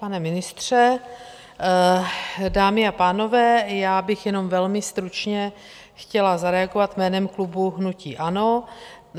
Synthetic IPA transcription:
panɛmɪnɪst̪r̝̥ɛ | daːmɪapaːno̞vɛːjaːbɪxjɛno̞mvɛlmɪst̪ɾut͡ʃɲɛ | xcɛlazaɾɛaɡovat̪mɛːnɛmklubuɦnuciːʔano̞

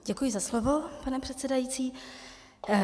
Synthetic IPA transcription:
ɟɛkujɪzaslovo̞panɛpr̥ɛt̪t͡sɛdajit͡siː

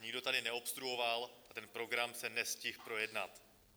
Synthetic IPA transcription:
ɲɪɡdo̞t̪adɪnɛo̞pst̪ɾuɦo̞valat̪ɛnpɾo̞ɡɾamsɛnɛscɪxpɾo̞jɛdnat̪

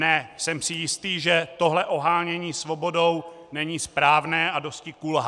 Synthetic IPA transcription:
nɛsɛmsɪjɪst̪iːʒɛt̪o̞ɦlɛʔo̞ɦaːɲɛɲiːsvo̞bo̞dow | nɛɲiːspɾaːvnɛːʔado̞scɪkulɦ

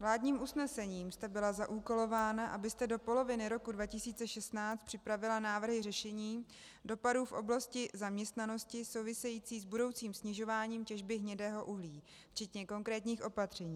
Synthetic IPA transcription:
vlaːdɲiːmʔusnɛsɛɲiːmst̪ɛbɪlazaʔuːko̞lo̞vaːnaʔabɪst̪ɛdo̞po̞lo̞vɪnɪɾo̞kudvacɪsiːt͡sɛʃɛst̪naːt͡st̪pr̥ɪpɾavɪlanaːvr̩ɦɪrɛʃɛɲiː | do̞paduːfʔo̞blascɪzamɲɛst̪nano̞scɪso̞wvɪsɛjiːt͡siːzbudo̞wt͡siːmsɲɪʒo̞vaːɲiːmcɛʒbɪɦɲɛdɛːɦo̞ʔuɦliː | ft͡ʃɛt̪ɲɛko̞ŋkɾɛːt̪ɲiːxʔo̞pat̪r̝̥ɛɲiː

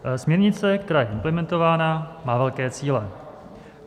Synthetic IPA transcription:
smɲɛɾɲɪt͡sɛk̚t̪ɛɾaːjɛʔɪmplɛmɛnt̪o̞vaːnamaːvɛlkɛːt͡siːlɛ

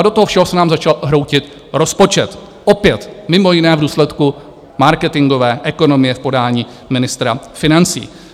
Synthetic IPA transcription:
adot̪oɦofʃɛɦosɛnaːmzat͡ʃalɦɾo̞wcɪt̪ | ɾo̞spo̞t͡ʃɛt̪ | ʔopɪjɛt̪mɪmojɪnɛːvduːslɛt̪ku | maɾkɛt̪ɪŋɡo̞vɛːʔɛko̞no̞mɪjɛfpo̞daːɲiː | mɪnɪst̪ɾafɪnant͡sḭː

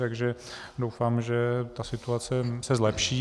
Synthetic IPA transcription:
t̪aɡʒɛ | dowfaːmʒɛt̪asɪt̪uat͡sɛsɛzlɛpʃiː

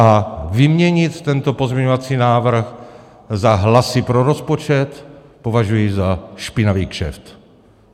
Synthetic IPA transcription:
ʔavɪmɲɛɲɪt̪ːɛnt̪opozmɲɛɲovat͡siːnaːvr̩x | zaɦlasɪpɾoɾo̞spot͡ʃɛt̪po̞vaʒujɪzaʃpɪnaviːkʃɛ̰ft̪

